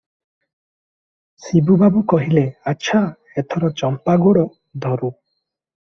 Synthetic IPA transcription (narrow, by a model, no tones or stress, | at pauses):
sibubabukɔɦileaːt͡ʃʃʰa | et̪ʰɔɾɔt͡ʃɔmpaɡoɽɔ | d̪ʱɔɾu